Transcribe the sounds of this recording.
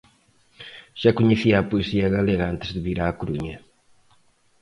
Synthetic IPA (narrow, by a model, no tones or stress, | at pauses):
ʒ̥akuɲɨsiapueziɐɣɐleɣɐãnt̪ɨzðɨβiɾaːkuɾuɲɐ